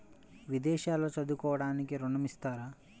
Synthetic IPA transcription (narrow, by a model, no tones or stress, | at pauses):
ʋid̪ɛːʃaːloːt͡ʃɐd̪ukɔːʋɐɽaːnikiɾuɳɐmist̪aːɾaː